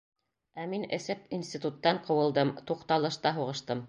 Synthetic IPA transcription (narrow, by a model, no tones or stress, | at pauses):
æminɘ̰̆sɘpinsʲt̪ʲit̪ut̪ːɑɴqɤ̆wɤ̆lˠd̪ɤmt̪uqt̪ɑlˠɤ̆ʃt̪ɑɦuʁɤ̆ʃt̪ɤm